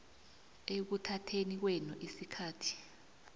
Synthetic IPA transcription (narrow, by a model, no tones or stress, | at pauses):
ek̬utʰatʰenik̬wɛnuʔisikʰaːtʰi̥